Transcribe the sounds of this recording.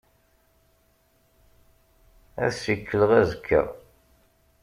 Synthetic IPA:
æ̰ðsikːələʁæzəkʰːə̰

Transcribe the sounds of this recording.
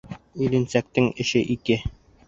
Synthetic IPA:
ɵ̆lɘ̆nsæk̚t̪ɘŋɘ̆ʃɘʔikɘ

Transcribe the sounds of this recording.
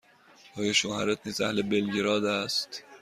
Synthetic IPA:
ʔɒːjɒːʃohæɾet̪̚ʰniːzæhlebelɟeɾɒːd̪æst̪

